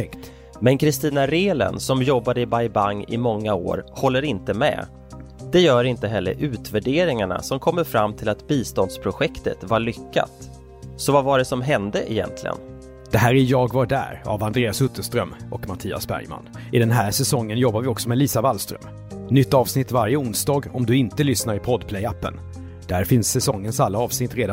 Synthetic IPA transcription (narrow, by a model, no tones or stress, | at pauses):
ɛkt̪ | mɛnkʰɾɪst̪iːnaɾeːlə̰nsɔmjɔbːad̪əɪbajbaŋːɪ̰mɔŋːao̰ːɾhɔlːəɾɪnt̪əmɛ̰ː | d̪̥ɛjœːɾɪnt̪əɦɛlːə̰ɾʔʉ̟ːt̪væɖeːɾɪŋaɳa̰sɔmkʰɔmːəɾfɾamːt̪ʰɪlat̪biːst̪ɔnd̪spʰɾʊɧɛkt̪ə̰t̪vaɭʏkːa̰t̪ | sɔvavaɖɛsɔmɦɛnd̪əʔɪjɛ̰nt̪ʰlɪ̰ɡə̰n | d̪̥ɛɦæːɾɪjɑːɡvaɖæ̰ːɾa̰vand̪ɾeːasɵt̪ʰːəʂt̪ɾœmːʔɔkmat̪ʰiːa̰sbæ̰ɾjma̰nʔɪd̪ɛnɦæːɾʂɛsɔŋːənjɔbːaɾvɪɔksɔmɛliːsavalst̪ɾœ̰m | nʏt̪ːɑːvsnɪt̪ːvaɾjəʊnsd̪ɑːɡɔmd̪ɵɪnt̪əlʏsnaɾɪpʰɔd̪pʰlɛjapːə̰n | d̪æɾfɪnsːɛsɔŋːənsalːaɑːvsnɪt̪ːɾeːd̪a